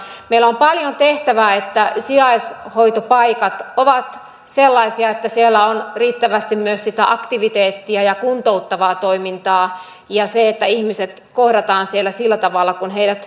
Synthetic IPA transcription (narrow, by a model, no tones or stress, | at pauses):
meilːæompɑljont̪eht̪æʋæːet̪ːæsiɑishoit̪opɑikɑt̪oʋɑt̪ | selːɑisiɑet̪ːæsielːæonriːt̪ːæʋæst̪immyøssit̪æʔɑkt̪iʋit̪eːt̪ːiæjɑkunt̪out̪ːɑʋɑːt̪oimint̪ɑː | jɑseet̪ːæihmiset̪kohdɑt̪ɑːnsielːˑæsilːæt̪ɑʋɑlːɑkunɦeidæt̪